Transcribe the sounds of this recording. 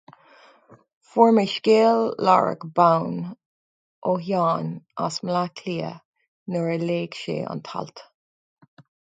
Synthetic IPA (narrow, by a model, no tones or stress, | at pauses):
fɔɹməʃkeːlːa̰ɹə̰ɡbawn | ʔoɦjɑːnʔa̰smlakʰliːə̰ | nəɹəleːɡʃḛːa̰nt̪ʰa̰lt̪